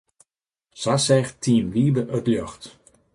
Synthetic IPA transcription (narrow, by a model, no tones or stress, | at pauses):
sasɛxtʰiənʋiːbəʔøtljɔxt